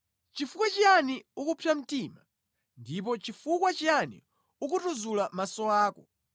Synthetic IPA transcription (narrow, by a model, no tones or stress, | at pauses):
t͡ʃifukwat͡ʃianiukupʰjam̩tiːma | ndip̬ɔt͡ʃifukwat͡ʃianḭ | ukutuzulamasɔaːkɔ